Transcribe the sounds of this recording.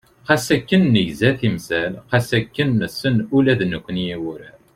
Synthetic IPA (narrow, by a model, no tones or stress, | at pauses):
qæsækːənːəʝzæθimsælqæsækːənːəsənulæðnəkʷːənjiwʊɾæɾ